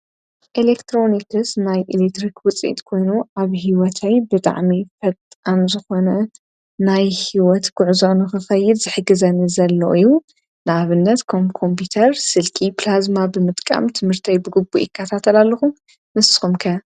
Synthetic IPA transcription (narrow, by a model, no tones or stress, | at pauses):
ʔilekt̪ʰɾo̞nikʰɨsnajʔilek̚t̪ɾikwʊt͡sʼḭt̪kʰo̞jnuʔaβɦiwɔt̪ʰajbɨt̪ʼa̰ʕmifɐt̪ʼanzɨxo̞nɐ | najhiwɔt̪ɡ̥ʊʕzonuxɨxɐjːɪd̪zɨħɨɡɨzɐnɨzɐlːo̰ʔɨju | nɨʔaβɨnːɐt̪kʰɐmkʰompʰut̪ʰɐɾsɨlkʰiplazmabɨmɨt̪ʼkʼa̰mt̪ʰɨmhɨɾt̪ʰajbɨɡɨbːujɪkʰːɐt̪ʰat̪ʰɐlalːɐxu | mɨsxumkʰɐ